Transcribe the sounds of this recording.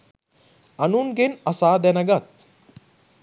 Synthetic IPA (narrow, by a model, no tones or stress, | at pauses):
ɐnuːnɡenɐsaːd̪ɛnɐɡɐt̪̚